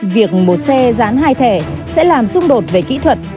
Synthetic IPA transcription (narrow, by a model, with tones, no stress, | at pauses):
vi˨˩ək̚ɓo˨˩t̚sɛ˧zaː˨˦nɦaː˧jt̪ʰe˧˩sɛ̰˧˥laː˨˩msʊ˧ŋ͡mɗo˨˩t̚ve˨˩kḭ˧˥t̪ʰwə˨˩t̚